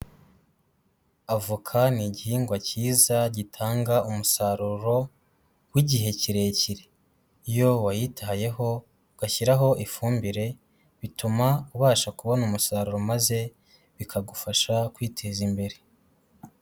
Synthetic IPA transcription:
avukʰaniɟihiːŋɡwaciːzaɟitʰaːŋɡaʔumusaɾuɾo̞ | wiɟiɦe̞ciɾe̞ciɾe | ijo̞wajitaɦaje̞ɦo̞ | ɡ̥açiɾaɦo̞ʔifuːmbiɾe̞ | βitumauβaːʃakuβo̞numusaɾuɾo̞maze̞ | βikʰaɡufaʃakwiːtʰe̞zimbe̞ɾe̞

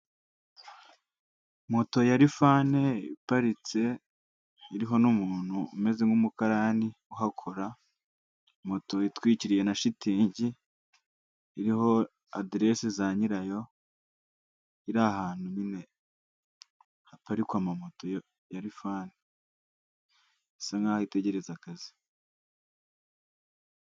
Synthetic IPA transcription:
mo̞to̞jaɾifane̞ḭpaɾit͡se̞ | iɾiɦo̞numuːnhuːme̞ze̞ŋɡumukaɾaːni | uɦakʰo̞ɾa | mo̞to̞itwiːciɾije̞naʃitiːɲɟi | ɾiɦo̞ | adiɾe̞sezaɲiɾajo̞ | iɾahaːnunine̞ | hapaɾikwamamo̞to̞ | jaɾifaːni | saŋɡaːhoite̞ɟe̞ɾe̞zakazi̥

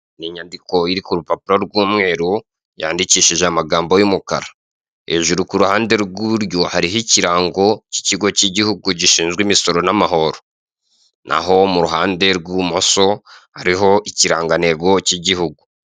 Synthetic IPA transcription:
niɲandiko̞iɾikuɾupapiɾo̞ɾɡuːmŋe̞ːɾu | ja̰ːndiciːʃiʒeamaɡaːmbo̞jumukaɾa | eʒuɾukuɾuhaːnde̞ɾɡuβuɾjo̞haɾihiciɾaːŋɡo̞ci̥ciɡo̞ciɟihuɡuɟiʃiːnzɡwimiso̞ɾo̞namaɦo̞ɾo | nʔa̰ho̞muɾuɦaːnde̞ɾɡumoso̞haɾiɦo̞ʔiciɾaːŋɡane̞ɡo̞ciɟihuɡu

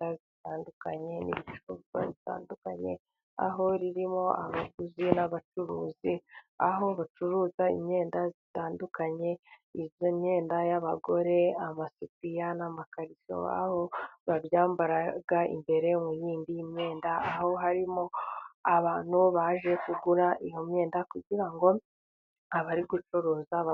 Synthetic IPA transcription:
azitaːndukaɲe̞niβit͡ʃuβwa̰βita̰ːndukaɲe̞̰ | a̰ɦo̞ɾiɾimo̞a̰βaɡuzinaβat͡ʃuɾuːzia̰ɦo̞βat͡ʃuɾuːzaḭmɲe̞ːndazitaːndukaɲe̞izoɲɲe̞ːndajaβaɡo̞ɾe̞amasipijanamakaɾiso̰a̰ho̞βaβjaːmbaɾaɡaḭmbe̞ɾe̞mujiːnbijimɲe̞ːndaːho̞ɦaɾimo̞aβaːn̥huβaʒe̞kuɡuɾaʔijo̞mɲe̞ːndakuɟiɾaŋɡo̞ | aβaɾiɡut͡ʃoɾo̞ːzaβa

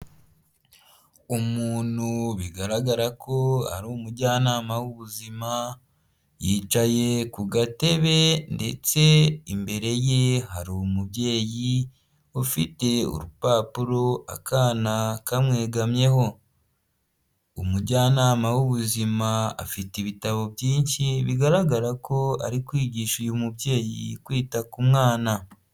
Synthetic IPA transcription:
umuːn̥huβiɡaɾaɡaɾakʰo̞a̰ɾuːmuɾɟaːnaːmawuβuzima | jiːt͡ʃaje̞kuɡate̞βe̞nde̞t͡se̞imbe̞ɾe̞je̞ɦaɾumubje̞ːji | ufite̞ṵɾupaːpuɾo̞a̰kaːnakamŋe̞ːɡamɲe̞ho̞ | umuɾɟaːnaːmawuβuzimaa̰fitiβitaβo̞bjiːnʃiβiɡaɾaɡaɾako̞a̰ɾikwiːɟiːʃujumubje̞ːjḭkwiːtakumŋaːna

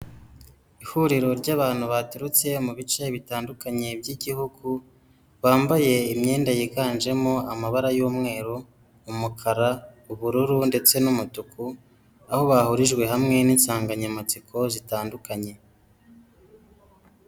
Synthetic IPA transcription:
ihuɾiɾo̞ɾɟaβaːn̥huβatuɾut͡se̞muβit͡ʃe̞βitaːndukaɲe̞bɟiɟihuɡu | βaːmbaje̞imɲe̞ːndajiɡaːnd͡ʒe̞mo̞amaβaɾajuːmŋe̞ːɾo | umukʰaɾauβuɾuɾunde̞t͡se̞numutuku | aho̞βahuɾiʒɡwe̞hamŋe̞niːnsaːŋɡaɲamat͡sikʰo̞zitaːndukaɲe̞

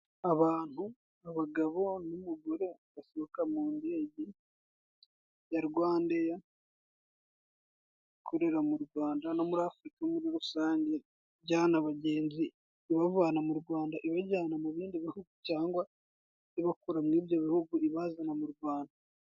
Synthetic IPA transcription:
aβaːn̥hu | aβaɡaβo̞numuɡoɾe̞βaseβokamuːndeːɟi | jaɾɡwaːndeja | kʰoɾeɾamuɾɡwaːndano̞muɾaːfuɾikaomuɾiɾusaːɲɟe | βɟaːnaβaɟeːnziː | βavaːnamuɾɡwaːndaʔiβaɟaːnamuβiːndiβihuɡucaːŋɡwa | iβakuɾamŋiːβjo̞βihuɡuʔiβazanamuɾɡwaːnda

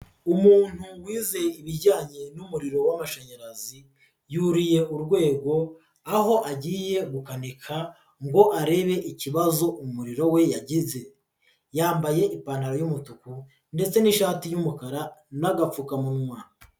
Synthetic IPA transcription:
umuːn̥huwiːze̞iβiɾɟaːɲe̞numuɾiɾo̞wamaʃaɲaɾazi | juɾije̞ʔuɾɡwe̞ːɡo̞ | aɦo̞ʔaɟiːje̞βukanekʰa | ŋɡo̞ʔaɾe̞βe̞ʔiciβazo̞ʔumuɾiɾo̞we̞jaɟize̞ | jaːmbaje̞ʔipanaɾojumutuku | nde̞t͡se̞niʃaːtijumukaɾanaɡap͡fukamunmwa

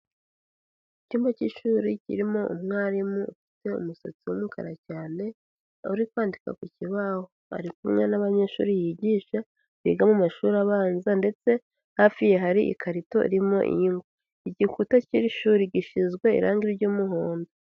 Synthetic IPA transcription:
iciːmaciʃuːɾicḭɾimo̞ṵmŋaːɾimuufi̥te̞ṵmuso̰t͡siwumukʰa̰ɾacaːne̞ | uɾikwaːndika̰kuciβahoa̰ɾikumŋenaβaɲe̞ːʃṵɾijiɟiːʃa | βḭɡamumaʃuɾaβaːnzande̞t͡se̞ | hafije̞ɦaɾiʔḭkʰaɾito̞̰ʔḭɾimo̞̰ʔḭmɡa | iɟikutaciɾiʃuːɾiɟiʃizɡwe̞ḭɾa̰ːŋɡiɾɟuːmuɦoːndo

